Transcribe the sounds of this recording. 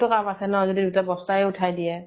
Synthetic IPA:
tʊkamasɛnɔzodidutabɔstaɛʊtʰajdiɛ

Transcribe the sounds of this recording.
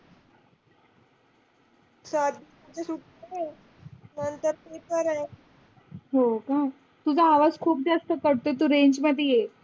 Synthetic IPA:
sad̪ʱit̪ut͡ɕesuʈ | əɾe | nənt̪əɾpepəɾaj | ɦokã | t̪ud͡zaːʋaskʰuːp̚d͡zast̪əkəɽt̪oet̪̬uɾeɲd͡ʑməd̪ʱeje

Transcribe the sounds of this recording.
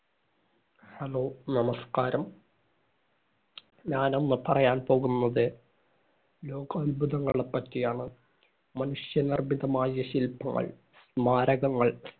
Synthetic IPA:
hɐlo̞ːnɐmɐskaːɾɐm | ɲaːno̞nːɨpɐrɐjaːnpo̞ːɣunːɐðɨ | lo̞ːɡɐɐlbuðɐŋːɐ̰ɭɽepːɐtːijaːɳɨ | mɐnuʂjɐnirbiðɐmaːjiɐɕilpɐŋːɐ̰ɭ | smaːɾɐɣɐŋːɐɭ

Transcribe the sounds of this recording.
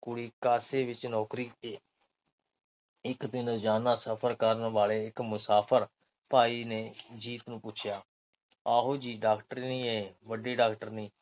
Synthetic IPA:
kʊɽiːkaːseːʋɪt͡ʃnɔːkɾiːt̪eː | ɪkd̪ɪnəd͡ʒaːnaːsəpʰəɾkəɾənʋaːɭeːɪkmʊsaːpʰəɾ | paːiːneːd͡ʒiːt̪nũːpʊːt͡ʃʰjaː | aːɦoːd͡ʒiːɖaːkʈəɾinĩːeeːʋəɖeːɖaːkʈəɾnĩː

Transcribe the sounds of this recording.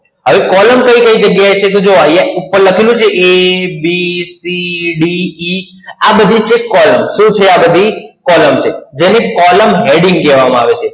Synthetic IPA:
ɦəʋekɔləmkəikəid͡ʒəɡjaet͡ʃʰet̪̬od͡ʒoəjaupːəɾləkʰilũt͡ʃʰeʔebisiɖii | abəd̪ʱit͡ʃʰekɔləmʃũt͡ʃʰeabəd̪ʱikɔləmt͡ʃʰed͡ʒenekɔləmɦeɽĩŋɡkɛʋamãaʋet͡ʃʰe

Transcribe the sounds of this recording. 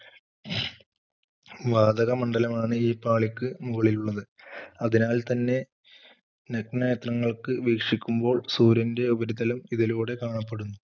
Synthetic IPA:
ʋaːd̪ɐɣɐmɐɳɖɐlɐmaːɳɨiːpːaːɭikʲːɨmuɣɐɭiluɭːɐðɨɐðinaːlt̪ɐnːe̞ | nɐknɐjɐt̪rɐŋːɐɭkɨʋiːkʂikʲːumbo̞ːɭsuːɾɐnde̞ubɐɾiðɐlumiðiluːɽe̞kaːɳɐpːe̞ɽunːu

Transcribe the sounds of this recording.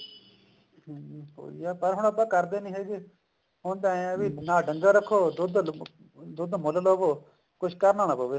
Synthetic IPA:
ɦo̰ːḭaːpəɾɦʊɳ̃əbaːkəɾd̪eːnĩːɦeːɡeː | ɦõːnd̪ãːẽʋiːnãːɖə̃ŋɡaːɾəkʰːoːd̪ʊd̪ | d̪ʊd̪mʊləloːboː | kʊt͡ʃʰkəɾnaːnaːpoːʋeː

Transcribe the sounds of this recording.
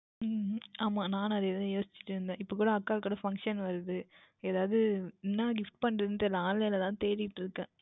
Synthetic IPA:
aːmaːnãːnɐðɯeðɐjoːsɪ̥t͡ʃːɪ̥ʈːɯɾɯnd̪ẽːʔɪpːɐkuːɽɐɐkːaːkːuːɽɐfɐŋkʂɐnʋɐɾɯðɯ | eːðaːʋðɯnːaːɡɪfʈpɐɳːɾɐðɯnd̪ɛlːɐaːnlɐjlɐt̪ãːt̪eːɾɪkɪʈːɾɯkːẽː

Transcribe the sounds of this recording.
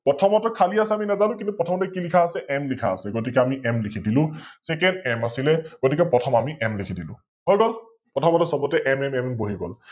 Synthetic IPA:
pɹɔtʰɔmɔtɔkʰaliasɛaminɛzalʊ̃kĩntupɹɔtʰɔmɔtɛkilikʰaːsɛʔɛmlikʰaːsɛɡot̬ikɛamiʔɛmlikʰidilʊ̃sɛkɛndɛmasilɛɡ̥otikɛpɔtʰɔmamiʔɛmlekʰidilʊ̰̃ | ɦɔjɡɔl | pɹɔtʰɔmɔtɔsɔbɔtɛʔɛmɛmɛmmboɦiɡɔl

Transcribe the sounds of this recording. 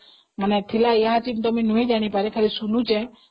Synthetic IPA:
mənet̪ʰilajaɦat͡ʃimt̪ɔmĩnuẽd͡ʒaɽ̃ipaɾekʰaɾisunũt͡ʃe

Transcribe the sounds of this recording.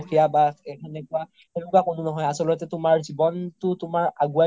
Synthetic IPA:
kʰijabaɛkʰɛnɛkua | elʊkakʊnʊnɔɦɔjasɔlɔtɛtʊmaɹzibɔntʊtʊmaɹaɡua

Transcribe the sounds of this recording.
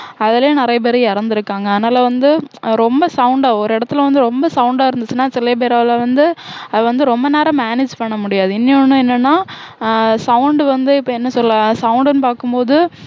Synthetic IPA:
ɐðɪleːnɪɾɐjɐp̬ɛɾɪjɪɾɯnd̪ɪɾɯkːaːŋɡɐɐːðɐnaːlɐʋɐnd̪ɯɾɔmbɐsɐʊɳɖaːɔɾɯɪɽɐt̪ːɪlʋɐnd̪ɯɾɔmbɐsɐʊɳɖaːɪɾɯnd̪ɯt͡ʃːɯnaːsɪlɐp̬eːɾaːʋlɐʋɐnd̪ɯɐðɯʋɐnd̪ɯɾɔmbɐneːɾɐmaːned͡ʒpɐɳːɐmʊɽɪjaːðɯɪnːɪjonːɯ̃ɛnːɐnːaː | sɐʊɳɖʋɐnd̪ɯɪpːɐɛnːɐsɔlːasɐʊɳɖɐnɯpaːɾkɯmpoːðɯ

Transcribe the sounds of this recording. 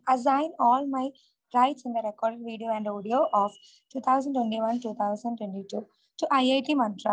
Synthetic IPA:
ɐzãɪ̃nɔːlmaɪ | ɾaɪʈsɪ̃nd̪əɾekɔːɾɖeɖʋiːɖijoːɛ̃ɳɖoːɖioːʔɔːf | ʈuːt̪ʰaʊzə̃ɳʈwẽɳʈiːʋɐ̃nʈuːt̪ʰaʊsə̃ɳɖʈwẽɳʈiːʈuː | ʈuʔajaɪʈiːmɐ̃nt̪ɾa

